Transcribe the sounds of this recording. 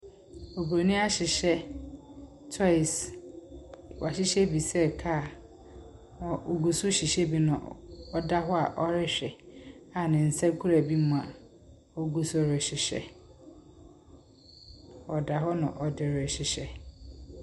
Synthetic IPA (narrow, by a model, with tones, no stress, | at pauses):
o˨bɾo˨nĩ˦a˦ɕɪ˨ɕɛ˦ | tʰɔ˦ɪ˨s | wa˨ɕɪ˦ɕɛ˦bi˨sɛ˦˨kʰa˦˨˦ | o˨ɡu˨sʊ˦ɕi˨ɕɛ˦bi˨nʊ̰̃˨ɔ˦da˦ɦɔ˦a˨ʔɔ˦ɾɪ˦ɕᶣɛ˨a˨nɪ̃˨n̩˨sa˦kʰu˦ɾa˨bi˦mʊ̃˨a˨ | o˦ɡu˦sɔ˦˨ɾɪ˨ɕɪ˨ɕɛ̰˨ | ɔ˨da˨ɦɔ˦nʊ̃˨ʔɔ˨dɪ˨ɾɛ˨ɕɪ˨ɕɛ˦